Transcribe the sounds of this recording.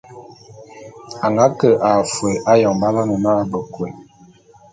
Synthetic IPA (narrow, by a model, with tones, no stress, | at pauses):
a˨ŋɡa˨˦kə˨ʔa˨fe˨ʔa˦jɔ˨ŋba˦la˦nə˨na˦ʔa˦˨bə˨kwe˨